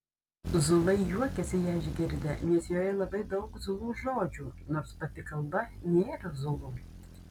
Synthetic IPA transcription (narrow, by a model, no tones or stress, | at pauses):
zʊlˠɐɪjuɔkʲɛsʲɪjæːɪʒʲɡʲɪɾʲd̪ʲɛnʲɛsjoːjɛlˠɐbɐɪd̪ɐʊkzʊlˠuːʒoːd͡ʒʲuːnoːɾspɐt̪ʲɪkɐlˠbɐnʲeːɾɐzʊlˠuː